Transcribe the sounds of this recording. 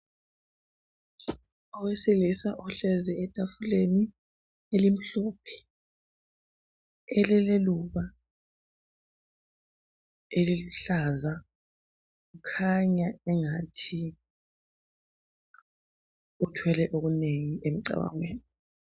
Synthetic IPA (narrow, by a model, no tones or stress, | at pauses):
ɔwesilisaʔɔɬɛzɛɛtʼafuleni | elim̩ɬɔːpʰɛ̥ | ɛlɛleluβa | eliluɬaza | ɣukʰaɲaɛŋatʰi | utʰwɛlɛʔoɣuneŋiʔem̩ǀa̰wa̰ŋweːni